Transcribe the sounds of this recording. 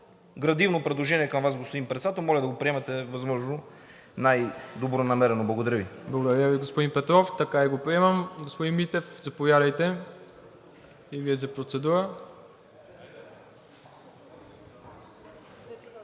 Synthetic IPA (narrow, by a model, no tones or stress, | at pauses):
ɡɾɐd̪ivnopɾɛd̪lˠoʒɛniɛkɐmvasɡospod̪inpɾɛt̪sat̪omɔlʲɐd̪ɐɡopɾiɛmɛt̪ɛvɐzmɔʒno | najd̪obɾonɐmɛɾɛnoblˠɐɡod̪ɐɾaviblˠɐɡod̪ɐɾaviɡospod̪inpɛt̪ɾɔft̪ɐkaiɡopɾiɛmɐmɡospod̪inmit̪ɛfzɐpovjad̪ɐjt̪ɛ | iviɛzɐpɾot̪sɛd̪uɾə